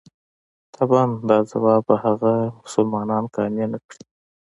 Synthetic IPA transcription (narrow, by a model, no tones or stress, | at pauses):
t̪ʰabɑnd̪ɑzawɑbahaɣamʊsʊlmɑnɑnkɑnjanakɽi